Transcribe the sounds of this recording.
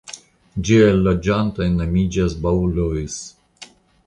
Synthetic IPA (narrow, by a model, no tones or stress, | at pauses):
d͡ʒiajlod͡ʒant̪ojnamid͡ʒasbaulojs